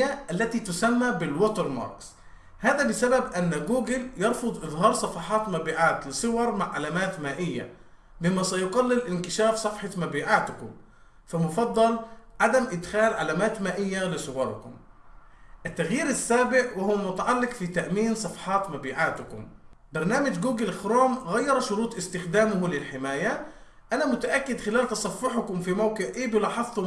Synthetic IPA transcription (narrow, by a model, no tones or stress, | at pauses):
aʔalːat̪it̪ʊsamːabɪlwot̪ɑɾmɑ̰ːɾˤks | haːðabɪsababʔanːɡuːɡɪljɑɾˤfʊd̪ˤʔɨðˤɦɑːɾˤsˤɑfɑħɑːt̪mabiːʕaːt̪lɪsˤɨwɑɾˤmaʕʕalaːmaːt̪maːʔɪjːa̰ | bɪmːasajʊɡɑlːɪlʔɪnkɪʃaːfsˤɑfħɑmabiːʕaːt̪kʊm | famʊfɑd̪ˤːɑlʕad̪amʔɪd̪xaːlʕalaːmaːt̪maːʔɪjːalɪsˤʊwɑɾ̰ˤkʊ̰m | ʔɪt̪ːaɣjiːɾasːaːbɪʕwɪhʊwmʊt̪aʕalːɪqfit̪aʔmiːnsˤɑfħɑːt̪mabiːʕaːt̪ʊkʊ̰m | bɑɾˤnaːmad͡ʒɡuːɡɪlxɾoːmɣajːɑɾˤʃʊɾuːt̪ˤʔɪst̪ɪxd̪aːmʊhʊlɪlħɪmaːja | ʔanamʊt̪aʔakːɪd̪xɪlaːlt̪ɑsˤɑfːɪħʊkʊmfimawkɪʕʔiːbɪlɑːħɑðˤt̪ʊ